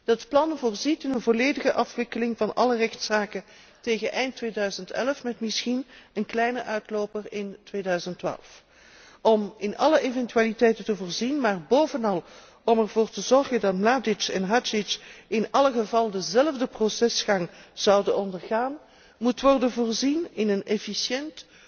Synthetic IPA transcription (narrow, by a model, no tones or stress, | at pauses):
d̥ətplɑnvʊːrzitɪnənvoleːdəɣəʔɑfʋɪkəlɪŋvɑnʔɑ̰lərɛxtsaːkə | teːɣənʔɛjntʋeːdœɥzəntɛ̰lfmɛtmɪsxinənklɛjnəʔœɥtloːpərɪntʋeːdœɥzəntʋa̰ːlˠf | ɔmɪnɑləʔevɛntyaːlitɛjtəntəvʊːɹzinmaːrboːvənɑlˠ | ɔmɛrvoːrtəzɔrɣəndɑt̚mladɪt͡ʃɛnɦat͡ʃɪt͡ʃɪnɑləχəvɑlˠdəzɛlvdəprosɛsχɑŋz̥ɑwdənɔndərɣaːn | mutʋɔrdənvʊːrzinɪnənɛfisjɛnt